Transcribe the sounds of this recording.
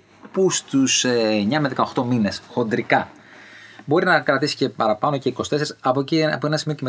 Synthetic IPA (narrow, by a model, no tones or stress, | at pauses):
pust̪usɲɐmeðe̞kɐoxt̪o̞mine̞sxo̞nd̪ɾikɐ | bo̞ɾinɐkɾɐt̪isi̥ce̞pɐɾɐpɐno̞ce̞ikosi̥t̪eeɾisɐpociɐpoenɐsimioceme